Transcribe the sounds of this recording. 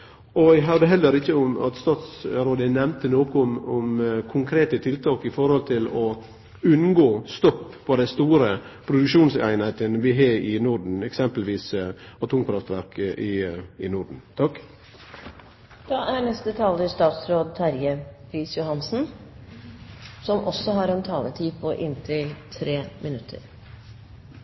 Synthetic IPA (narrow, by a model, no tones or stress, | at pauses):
ɔæɦœɾd̪əɦɛlːəɾɪçːəʊmɑ̰t̪st̪ɑːt̪sɾoːd̪ənɛmnt̪ənoːkʊmʊmkʰʊŋkʰɾeːt̪ət̪ʰɪlt̪ʰɑːkɪfɔɾhɔlt̪ʰɪlɔ | ʉnɡoːst̪ɔpːpʰɔd̪ɛɪst̪uːɾəpʰɾʊd̪ʉkʃuːnsæ̰ɪnhæɪt̪ənʋɪɦɑːɪnʊɾɖɳ̩ɛksɛmpəlʋiːs | ɔt̪ʰʊŋpʰɾɑft̪ʋæɾkʰəʔɪɪnʊɾɖɳ̩t̪ʰɑk | d̪̥ɑːʔænɛst̪ət̪ʰɑːləɾst̪ɑːt̪sɾoːd̪̚t̪ʰɑɾjəpʰɾiːsjʊhɑnsn̩ | sɔmʔɔsɔɦɑɾɛnt̪ʰɑːlət̪ʰiːpʰɔʔɪnt̪ʰɪlt̪ʰɾeːmɪnʉt̪ʰːə̰ɾ